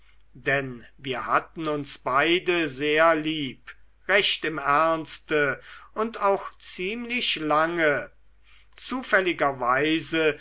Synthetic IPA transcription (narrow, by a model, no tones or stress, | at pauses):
d̥ɛnviːɐhatn̩ʊnsb̥aɪdəzeːɐliːp | ʁɛʃtɪmæɐnstəʔʊntaʊxt͡siːmlɪʃlaŋə | t͡suːfɛlɪɡɐvaɪzə